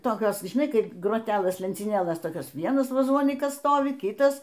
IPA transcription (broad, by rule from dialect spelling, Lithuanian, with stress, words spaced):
toːˈkʲoːs ʒʲɪˈnɐɪ ˈkɐɪp ɡroːˈtʲæːlˠɘs lʲɛnʲt͡sʲiːˈnʲeːlˠɘs ˈtoːkʲoːs ˈʋʲiɛnɐs ʋɐˈzoːnʲiːkɐs ˈstoːʋʲɪ ˈkʲɪtɐs